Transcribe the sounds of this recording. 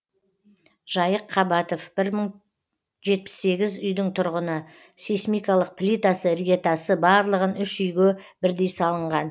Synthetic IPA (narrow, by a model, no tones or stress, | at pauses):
ʒ̥ɑjəqʰːɑbɑt̪o̞fb̥ɪɾməɴ | ʒe̞t̪̚pɪ̥sːe̞ɡʲɪzʏjd̪ɪɴt̪ʰʊɾʁənə | sesmijkɑlˠəq̚pʰlʲijt̪asəɾijet̪ɑsəbɑɾlˠəʁənʏʃʏjɡʲebɪɾd̪ejsɑlˠəɴʁɑn